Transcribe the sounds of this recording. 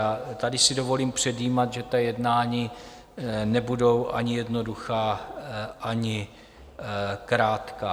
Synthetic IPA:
at̪adɪsɪdo̞vo̞liːmpr̝̥ɛdjiːmat̪ʒɛt̪ajɛdnaːɲi | nɛbudo̞wʔa̰ɲɪjɛdno̞duxaː | ʔaɲɪ | kɾaːt̪kaː

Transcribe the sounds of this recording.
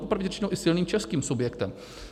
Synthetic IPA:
popɾavɲɛt͡ʃɪnowʔɪsɪlniːmt͡ʃɛskiːmsubjɛkt̪ɛm

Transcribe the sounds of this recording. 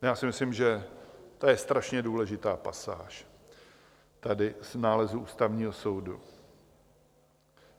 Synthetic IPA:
jaːsɪmɪslɪmʒɛt̪ojɛst̪ɾaʃɲɛduːlɛʒɪt̪aːpa̰saːʃ | t̪adɪznaːlɛzuʔuːst̪avɲiːɦo̞so̞wdṵ

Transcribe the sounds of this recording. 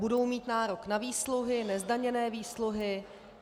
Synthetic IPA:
udo̞wmiːt̪naːɾo̞knaviːsluɦɪnɛzdaɲɛnɛːviːsluɦɪ

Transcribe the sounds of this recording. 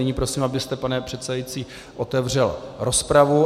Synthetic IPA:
ɪɲiːpɾo̞siːmabɪst̪ɛpanɛpr̝̥ɛt̪sɛdajit͡siː | ʔo̞t̪ɛvr̝ɛlɾo̞spɾavu

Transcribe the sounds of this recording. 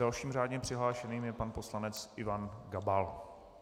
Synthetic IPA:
alʃiːmr̝aːdɲɛpr̝̥ɪɦlaːʃɛniːmjɛpanpo̞slanɛt͡sʔɪvanɡabal

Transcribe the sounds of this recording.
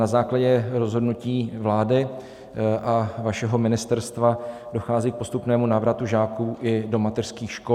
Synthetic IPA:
nazaːklaɟɛɾo̞zɦo̞dnuciːvlaːdɪ | ʔavaʃɛɦo̞mɪnɪst̪ɛɾst̪va | do̞xaːziːk̚po̞st̪upnɛːmunaːvɾat̪uʒaːkuːʔɪdo̞mat̪ɛr̥skiːxʃko

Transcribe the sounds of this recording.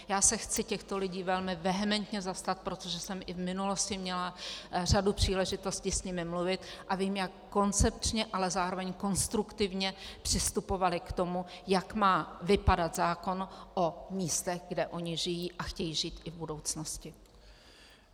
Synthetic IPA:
jaːsɛxt͡sɪcɛxt̪o̞lɪɟiːvɛlmɪvɛɦɛmɛnt̪ɲɛzast̪at̪̚pɾo̞t̪o̞ʒɛsɛmʔɪvmɪnulo̞scɪmɲɛlar̝adupr̥iːlɛʒɪt̪o̞sciːsɲɪmɪmluvɪt̪ʔaviːmjakːo̞nt͡sɛp̚t͡ʃɲɛʔalɛzaːɾo̞vɛɲko̞nst̪ɾukt̪ɪvɲɛpr̝̥ɪst̪upo̞valɪkt̪o̞mujakmaːvɪpadat̪zaːko̞nʔomiːst̪ɛɣɡdɛʔo̞ɲɪʒɪjiːʔaxcɛjiːʒiːt̪ʔɪvbudo̞wt͡snoscɪ

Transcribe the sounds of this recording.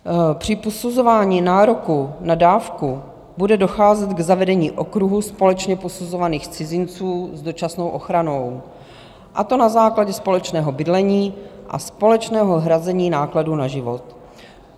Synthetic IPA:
pr̝̥ɪposuzovaːɲiːnaːɾo̞kunadaːfku | budɛdo̞xaːzɛt̪ɡzavɛdɛɲiːʔo̞kɾuɦuspo̞lɛt͡ʃɲɛposuzovaniːxt͡sɪzɪnt͡suːzdo̞t͡ʃasno̞wʔo̞xɾano̞w | ʔat̪o̞nazaːklaɟɛspo̞lɛt͡ʃnɛːɦo̞bɪdlɛɲiːʔa̰spo̞lɛt͡ʃnɛːɦoɦɾazɛɲiːnaːkladunaʒɪvot̪

